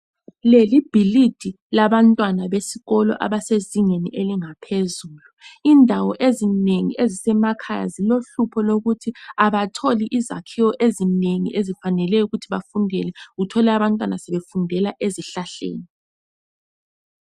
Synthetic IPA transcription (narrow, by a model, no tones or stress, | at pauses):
lelib̥ʱilid̥ʱi | laβantʼwanaβesiɣɔlɔ̰ʔa̰βaseziŋeniʔeliŋapʰezuːluindʱawɔʔezineŋiʔezisɛmakʰaja̰ziloɬupʰɔloɣutʰiaβatʰoliʔiza̰kʰiwɔʔezineŋḭʔezifanɛlɛuɣutʰiβafundʱɛ̰lɛɣutʰɔlɛaβantʼwanasɛβefundʱɛlaʔeziɬaɬḛːni